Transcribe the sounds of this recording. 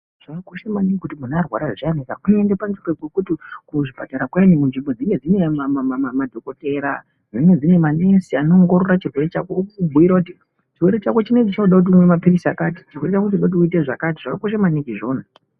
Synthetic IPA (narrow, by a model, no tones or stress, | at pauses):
ʐ̥akakoʃamanikikutimunaːrwa̰ɾaʐianikakunoendepanzikekwekutikuʐipataɾakwanimunʐimbo̞d͡ziŋɡe̞d͡zine̞mamamamamadʱo̞ko̞te̞ɾa̰ | d͡ziŋed͡zine̞mane̞siano̞ŋɡoɾo̞rat͡ʃirwe̞ɾe̞t͡ʃakoubʱuiɾakuti | t͡ʃirweɾet͡ʃako̞t͡ʃinet͡ʃit͡ʃanoɗak̬ut̬iumwe̞mapirisiakaːti̥t͡ʃirwe̞ret͡ʃakutiuɗaut̬iuit̬eʐa̰katiʐ̥akakoʃamanikiʐo̞ːna